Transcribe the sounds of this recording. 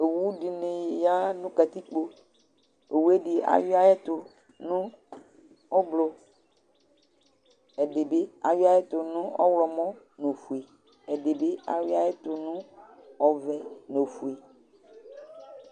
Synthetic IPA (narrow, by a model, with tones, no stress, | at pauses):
e˨wu˦ɖi˨ne˨ja˦nũ˦ka˨t̪i˦k͡po˦ | e˨wu˦e˦ɖi˨a̰˨ji˦a˦jɛ˦t̪ʊ˨ | nũ˦ | ɔ˦blɔ˨ | ɛ˨ɖe˨be˦a̰˨wi˦a˦jɛ˦t̪ʊ˨nũ˦ɔ˦wlɔ˨mɔ̃˦ | no˨fu˨e˨ | ɛ˨ɖe˨be˦a̰˨wi˦a˦je˦t̪ʊ˨nũ˦ɔ˨vɛ˨no˨fu˨e˨